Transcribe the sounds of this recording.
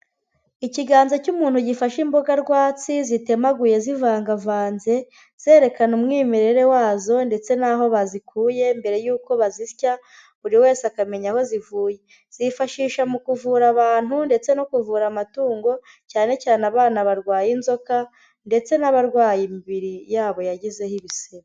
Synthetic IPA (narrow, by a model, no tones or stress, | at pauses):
iciɡaːnzacumuːn̥huɟifaʃimbo̞ɡaɾɡwaːt͡sizite̞maɡuje̞zivaːŋɡavaːnze̞ | z̥eːɾe̞kanumŋiːmiɾe̞ɾe̞waːzo̞nde̞t͡se̞naːɦo̞βazikʰuːje̞mbe̞ɾe̞juːko̞βazisca | uɾiwe̞ːseakame̞ɲaho̞zivuːje̞ | z̥ifaʃiːʃamukuvuːɾaβaːn̥hunde̞t͡se̞nokuvuːɾamatuːŋɡo̞ | caːne̞caːneaβaːnaβaɾɡwaːjinzo̞ka | nde̞t͡se̞naβaɾɡwaːjimibiɾijaːβo̞jaɟize̞hiβiseɾ